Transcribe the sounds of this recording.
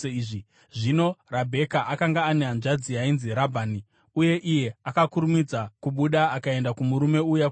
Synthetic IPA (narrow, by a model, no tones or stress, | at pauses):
ʐi | ʐino̞rabʱe̞kaʔakaŋɡaːneanʐad͡ziainziɾabʱaːni | uje̞ʔije̞akakuɾumid͡zakuɓuɗaakae̞ndakumuɾume̞uja